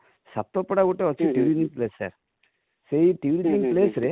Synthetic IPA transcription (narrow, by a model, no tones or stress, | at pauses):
sapt̪ːopɔɽaɡuʈːeɔt͡ʃʰiʈiʋiniŋpleːsːa̰ɾ | seiʈiʋiɾiniŋpleːsɾe